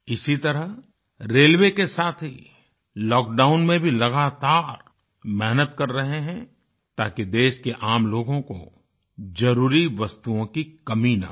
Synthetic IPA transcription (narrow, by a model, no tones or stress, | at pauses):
ɪsit̪ɐɾəɦ | ɾeːlʋekesaːt̪ʰɦi | lɔːk̚ɖaːʊnmẽbʱilɐɡaːt̪aːɾ | mɛɦnət̪kɐɾːɐɦeɦɛ̃ | t̪aːkid̪eːʃkeʔaːmloːɡõko̰ | d͡ʒɐɾuːɾiʋɐst̪uõkikɐmina̰